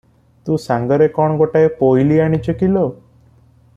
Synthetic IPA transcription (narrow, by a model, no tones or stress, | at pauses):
t̪ũsãŋɡəɾekɔɳ̃ɡoʈaepojliaɽ̃it͡ʃəkilo